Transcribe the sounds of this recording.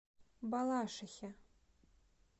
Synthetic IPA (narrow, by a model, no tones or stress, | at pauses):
balˠaʂaxʲa